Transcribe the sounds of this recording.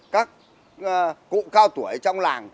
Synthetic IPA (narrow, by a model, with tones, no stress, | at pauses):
kaː˦˥k̚ | kṵ˧˨kaː˧wt̪u˧˩əjt͡ɕɔ˧wŋ͡mlaː˨˩ŋ